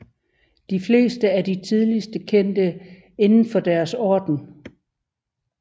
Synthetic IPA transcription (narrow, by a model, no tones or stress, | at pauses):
d̥ifle̝̰ːsd̥əæɐdit͡sʰið̞ˠlisd̥əkʰen̰d̥ə | e̝nn̩fɒ̽d̥æɐsɒːd̥n̩